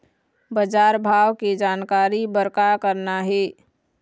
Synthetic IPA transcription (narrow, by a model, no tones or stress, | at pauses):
bəd͡ʒaːɾbʱaːwked͡ʒaːnkaːɾibəɾkakəɾnaɦɛː